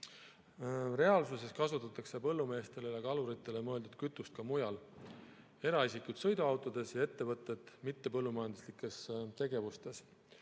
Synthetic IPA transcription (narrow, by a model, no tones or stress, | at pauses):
re̞ɑlsuse̞skɑsut̪ːˑɑt̪ːˑɑkse̞pɤ̞lːume̞ːst̪e̞ljɑkɑluɾit̪ːˑe̞lemɤe̞ld̪ud̪̥̚kyt̪ːˑust̪̚kɑmujɑl | e̞ɾɑisikud̪̥sɤ̞jd̪uɑwt̪ˑod̪̥e̞sjɑe̞t̪ːe̞vɤt̪ːˑe̞d̪̥mit̪ːe̞pɤ̞lːumɑjɑnd̪uslikːˑe̞st̪e̞ɡ̥e̞vust̪e̞s